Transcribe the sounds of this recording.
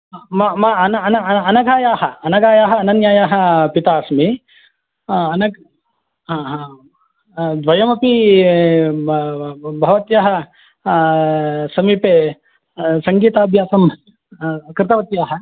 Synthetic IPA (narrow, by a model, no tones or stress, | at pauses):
mamaɐnɐɐnɐɐnɐɡʱaːjaːɦɐɐnɐɡaːjaːɦɐːnɐnjaːjaːɦɐ̆pit̪aːsmi | ɐnɐɡ | ɦãːɦãː | d̪ʋɐjɐmɐpi | bʱɐʋɐt̪jɐɦɐ̆ | sɐmiːpeː | sɐŋɡiːt̪aːbʱjaːsɐm | kɾɪt̪ɐʋɐt̪jaːɦɐ